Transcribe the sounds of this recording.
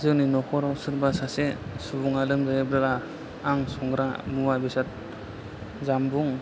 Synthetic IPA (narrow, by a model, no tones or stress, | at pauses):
zɯŋninɔkʰɔɾawsɯɾbasasesubuŋalɯmzajabɾaɾaː | ŋsɔŋɡɾamuwabisat̚ | zambuŋ